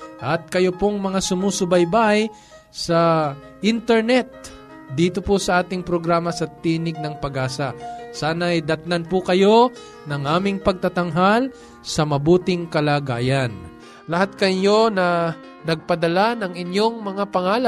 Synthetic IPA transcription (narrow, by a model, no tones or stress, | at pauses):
ʔɐt̪̚kɐjopoŋmɐŋasʊmusʊbɐjbaj | sɐ | ʔɪnt̪ɛɹnɛt̪̚ | d̪iːt̪oposɐʔaːt̪ɪŋpɾoɡɾaːmɐsɐt̪iːnɪɡ̚nɐŋpɐɡaːsɐsaːnɐjd̪ɐt̪nɐnpʊkɐjo̞ | nɐŋʔaːmɪŋpɐɡ̚t̪at̪ɐŋɦal | sɐmɐbuːt̪ɪŋkɐlaːɡaːjɐn | lɐhat̪̚kɐɲjo̞nɐ | nɐɡ̚pɐd̪ɐlanɐŋɪnjo̞ŋmɐŋapɐŋaːla